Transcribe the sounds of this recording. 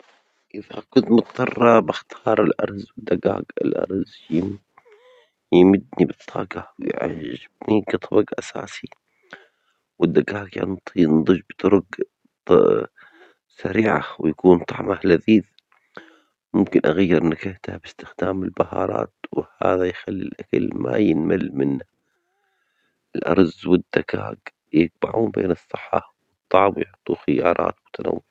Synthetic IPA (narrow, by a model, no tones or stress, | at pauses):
ʔɪfhakʊnt̪mʊt̪ˤːɑrˤːɑbɪxt̪ʰɑːɾˤɪlʔɑ̰ɾˤzwɪd̪ːaɡa̰ːɡɪ̰lʔɑ̰ɾˤz | jɪm | jmɪd̪nibɨt̪ˤʰːɑ̰ːɡɑwjʕa̰ːɪb̚niɡɨt̪ˤɑbɑɡʔasa̰ːsi | wɪd̪ːaɡaːɡja̰nnd̪ˤɨʒbt̪ˤʊɾʊɡ | saɾiːʕa̰wɪjakuːnt̪ˤɑʕmahlaðiːθ | mʊmkɪnʔaɣajːɪɾˤʔnakɪht̪abɪst̪ɪxd̪aːmɪlbahɑːɾˤɑ̰ːt̪wɪhaːðajxalːilʔakalmʔa̰jɪnmalmɪnːa | ɪlʔɑ̰ɾˤzwɪd̪̥ːakʰaːk | jɪɡ̚baʕuːnbḛːnɨsˤːɨħːawɨt̪ˤːɑʕmwjʊʕt̪ˤːuxɪjɑːɾˤɑ̰ːt̪wʊt̪ːana̰wːʊ